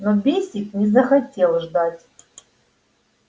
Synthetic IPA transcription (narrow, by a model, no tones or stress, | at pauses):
nobʲesʲɪknʲɪzəxɐtʲelˠʐd̪atʲ